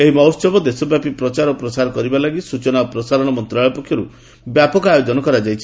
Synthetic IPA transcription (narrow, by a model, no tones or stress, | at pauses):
eɦimɔwsɔbɔd̪esɔbjapipɾɔt͡ʃaɾɔpɾɔt͡ʃaɾɔkɔɾibalaɡisut͡ʃɔnapɾɔsaɾɔɽ̃ɔmɔnt̪ɾaɭɔpɔkʰjɔɾu | bjapɔkɔajod͡ʒɔnɔkɔɾad͡ʒajt͡ʃʰi̥